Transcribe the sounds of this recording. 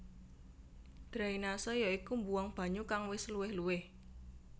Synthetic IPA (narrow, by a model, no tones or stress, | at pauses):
d̪̥ɾainasɔjɔikumbuwaŋb̥a̤ɲukaŋwɪsluwɪhluwɪh